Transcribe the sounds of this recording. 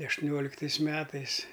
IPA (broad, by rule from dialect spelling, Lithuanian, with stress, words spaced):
ɐʃtʊˈnʲoːlʲɪktɐɪs ˈmʲæːtɐɪs